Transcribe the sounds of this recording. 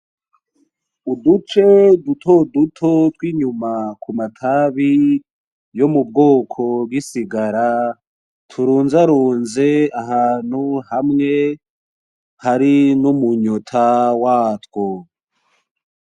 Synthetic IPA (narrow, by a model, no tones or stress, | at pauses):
udut͡ʃe̞dutʰodutʰotwiːɲumakʰumatʰaβi | jo̞mub̚ɡo̞ːkʰo̞b̚ɡisiɡaɾa | tʰuɾuːnzaɾuːnze̞aɦaːn̥huhamŋe̞ | haɾinumuɲotʰawaːtwo